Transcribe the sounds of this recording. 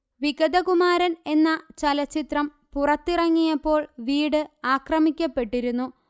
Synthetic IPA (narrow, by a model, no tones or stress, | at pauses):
ʋiɡɐd̪ɐkumaːɾɐne̞nːɐt͡ɕɐlɐt͡ɕːit̪rɐm | purɐt̪ːirɐŋːijɐpːo̞ːɭʋiːɽɨaːkrɐmikʲːɐpːe̞ʈːiɾunːu